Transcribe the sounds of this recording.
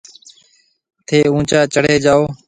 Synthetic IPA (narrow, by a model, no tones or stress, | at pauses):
t̪ʰeːũːt͡ʃaːt͡ʃəɽ̤eːd͡ʒaːoː